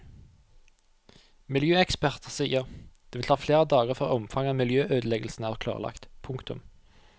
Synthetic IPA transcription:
mɪljøːɛkspæʁt̪əʁsiːəʁd̪̥eːʋɪlʰɑːfleːʁəd̪ɑːɡəʁfœʁɔmfɑŋɑmɪljøːʔøːd̪əlɛɡəl̩sn̩æːʁkʰlɑ̰ːʁəlɑ̰kt̪pʰʊŋkt̪ʊ̰m

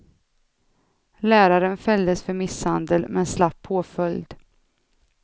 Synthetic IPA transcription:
læːɾaɾənfɛld̪əsfœɾmɪshand̪əlmɛnslapʰoːfœljd̪

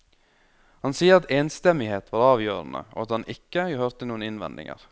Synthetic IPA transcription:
hɑnsiːəɾɑt̪ʰeːnst̪ɛmɪheːt̪ʰʋɑːɾɑːʋjøːɾnə̰o̰ːɑt̪hɑnʔɪkːəhøːɾt̪ʰɪnuːənɪnʋɛ̰nd̪ɪ̰ŋə̰ɾ

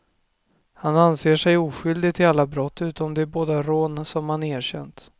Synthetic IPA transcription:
hananseːʂɛjuːɧʏld̪ɪɡt̪ʰɪlalːabɾɔt̪ːʉ̟ːt̪ɔmd̪ɛæɾboːd̪aɾoːnsɔmhaneːɾɕɛ̰nt̪

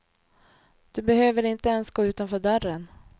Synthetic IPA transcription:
d̪̥ɵbɛhøːvəɾɪnt̪əɛnsɡoːʉːt̪anfœːɖœrːən

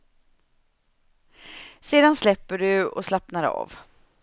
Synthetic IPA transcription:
seːd̪anslɛpːəɖɵɔ̰slapnaɾɑ̰ːv

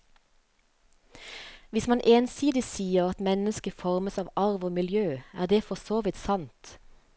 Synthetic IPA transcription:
ʋɪsmɑnʔeːnsiːd̪ɪsiːəʁɑt̪mɛnəskəfɔʁməsɑːʋɑʁʋoːmɪljøːæ̰ːʁd̪eːfɔsoːʋɪt̪sɑnt̪

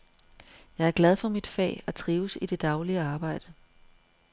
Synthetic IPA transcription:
jɑ̈ɪæɐɡ̥læð̞ˠfɒ̽mid̥fɛ̰ːæt͡sʰʁiːʊsid̥e̝d̥ɑ̈ʊliəɑ̈ːb̥ɑ̈ɪ̰d̥ə

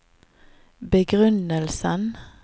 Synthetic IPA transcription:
bəɡʁʉnəlsən

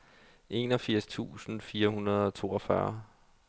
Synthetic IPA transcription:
ʔe̝ːnɒ̽fiɐ̰st͡sʰṵːsn̩fiːɐhunɐð̞ˠɒ̽t͡sʰo̝ːɒfɶ̰ɐ

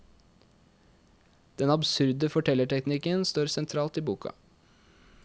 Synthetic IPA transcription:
d̪̥ɛnɑbsʉɾd̪əfɔʈʰɛləʈʰɛknɪkənst̪oːɾsɛnt̪ʰɾɑːlt̪iːbuːkʰɑ̰

